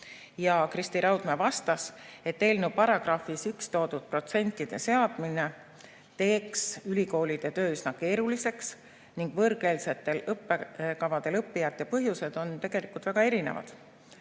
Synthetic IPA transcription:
jɑkrist̪iɾɑwd̪̥mevɑst̪ɑse̞t̪ːe̞ːlnupɑɾɑɡ̥rɑfisykst̪o̞ːd̪ud̪̥̚pro̞t̪se̞nt̪ːˑid̪̥e̞se̞ɑd̪̥mine̞ | t̪e̞ːksylʲiko̞ːlʲid̪̥e̞t̪øːysnɑke̞ːɾulise̞ks | niŋɡ̥vɤɾɡ̥e̞ːlse̞t̪ːˑe̞lɤpːe̞kɑvɑd̪̥e̞lɤpːijɑt̪ːˑjɑpɤɦjuse̞d̪̥o̞nt̪e̞ɡ̥e̞likult̪væɡ̥ɑe̞ɾine̞̰vɑ̰d̪̥

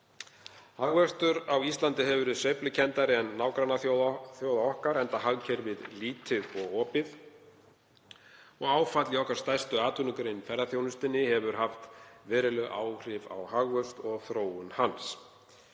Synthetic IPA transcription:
haɣvœr̥t̪ʏɾawist̪lant̪ɪɦɛvʏɾɪðsœɥplʏcʰɛnt̪aɾɪɛnːawkɾanaθθjowðaɔhkaɾɛnt̪aɦaɣcʰɛɾvɪðliːt̪ʰɪðɔɣɔːpɪð | ɔɣaːwfat̪lɪɔhkaɾ̥st̪ajst̪ʏaːt̪ʰʏnʏkɾejnfɛɾðaθjownʏst̪ɪnːɪhɛvʏɾ̥ɦaft̪vɛːɾɪlœɣʔaːwr̥ɪva̰whaɣvœst̪ɔɣθɾoːwʏnhans

